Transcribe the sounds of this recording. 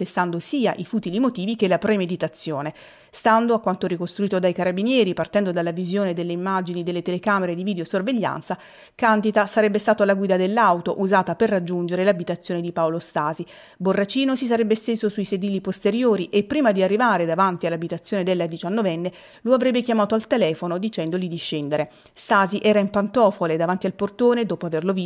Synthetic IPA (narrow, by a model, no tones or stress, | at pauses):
t̪est̪and̪osiːaʔifut̪ilimot̪iːvikelapɾemed̪it̪at̪sːjoːne | st̪and̪oakːwant̪oɾikost̪ɾuiːt̪od̪ajkaɾabinjɛːɾipart̪ɛnd̪od̪alːavizjoːned̪elːeimːad͡ʒinid̪elːet̪elekaːmeɾed̪ivid̪eosorveʎːa̰nt̪sa | kand̪it̪asaɾɛbːest̪aːt̪oalaɡwiːd̪ad̪elːawt̪oʔuzaːt̪aperːad͡ʒːund͡ʒeɾelabit̪at̪sːjoːned̪ipaolost̪aːzi | borːat͡ʃiːnosis̬aɾɛbːest̪eːzosuised̪iːlːipost̪eɾjoːɾiʔepːɾiːmad̪iarːivaːɾed̪avant̪ialːabit̪at̪sjoːned̪elːad̪it͡ʃanːovɛnːe | loavɾɛbːekjamaːt̪oalt̪elɛːfonod̪it͡ʃɛnd̪olid̪iʃːɛnd̪eɾe | st̪aːziʔɛːɾaimpant̪ɔːfoled̪avant̪ialport̪oːned̪ɔːpoaverlovi